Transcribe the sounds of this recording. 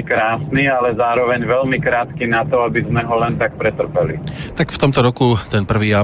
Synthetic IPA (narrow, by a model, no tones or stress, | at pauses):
kɾaːsnialɛzaːɾɔʋɛɲʋɛlmikɾaːt̪kinat̪ɔabizmɛɦɔlɛnt̪ak̚pɾɛt̪r̩pɛlḭt̪akft̪ɔmt̪ɔɾɔkut̪ɛnpr̩ʋiːa